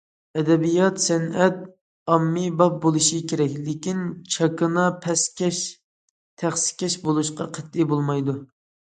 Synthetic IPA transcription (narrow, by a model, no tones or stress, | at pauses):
ɛd̪ɛbijɑt̪sɛnɛt̪̚ | ɑmːibɑp̚bolˠɨʃikʲeɾɛkʲlɪkʲint͡ʃʰɑkɨnɑpʰɛsʲɛʃ | t̪ʰæχsɪ̥kʲʰɛʃbolˠuʃqɑqʰət̪̚ːɪbolˠmɑjd̪u